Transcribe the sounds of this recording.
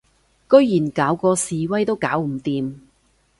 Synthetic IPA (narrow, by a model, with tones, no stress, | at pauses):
kɵ˥ɥjiː˨˩nkaː˨˥wkɔː˧siː˨wɐ˥jt̪o˥wkaː˨˥wm̩˨˩t̪iː˨˧m